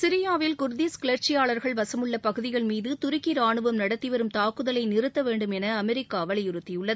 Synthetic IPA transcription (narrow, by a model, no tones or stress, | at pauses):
sɪɾɪjaːʋɪlkʊɾd̪iːskɪɭɐɾt͡ʃɪjaːɭɐɾɣɐɭʋɐsɐmɯɭːɐpɐɣɯðɪɣɐɭmiːðɯt̪ʊɾɪkːiɾaːɳɯʋɐmnɐɽɐt̪ːiʋɐɾɯmt̪aːkɯðɐlɐɪnɪrɯt̪ːɐʋeːɳɖɯmɛnɐːmɛɾɪkːaːɐʋɐɭɐjɪɾɯt̪ːɪjɯɭːɐðɯ